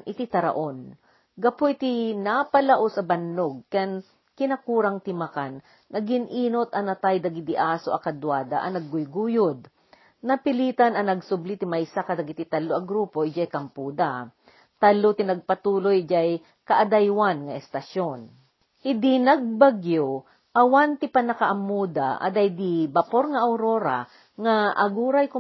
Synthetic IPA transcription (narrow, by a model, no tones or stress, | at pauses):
nʔɪt̪it̪ɐɾa̰ʔon | ɡɐpoʔɪt̪inapɐlaʔosɐbɐndoɡ̚kɛn | kɪnɐkuːɾaŋt̪ɪmakanː | ɐɡɪnʔiːnot̪ʔɐnɐt̪ajd̪ɐɡɪd̪ɪʔaːsoʔɐkɐd̪waːd̪aʔɐnɐɡːʊjɡuːjʊd̪̚ | nɐpɪliːt̪anɐnɐɡsʊblit̪ɪmajsakɐd̪ɐɡɪt̪ɪt̪ɐlːoʔɐɡɾuːpo̞ɪd͡ʒajkɐmpuːd̪a | t̪alːot̪ɪnɐɡ̚pɐt̪uːlojd͡ʒaj | kɐʔɐd̪ajwanŋɐʔɛst̪ɐʃon | hɪd̪ɪnɐɡ̚baɡjo | ʔɐwant̪ɪpɐnɐkɐʔɐmːuːd̪a̰ʔɐ̰d̪ajd̪ɪbɐpoɾŋɐʔawɾoːɾa̰ | ŋaʔɐɡuːɾajkʊ